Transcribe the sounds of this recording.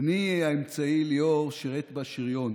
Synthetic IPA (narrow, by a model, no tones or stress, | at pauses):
niaemt͡sailioʁʃiʁet̪baʃiʁjo̞n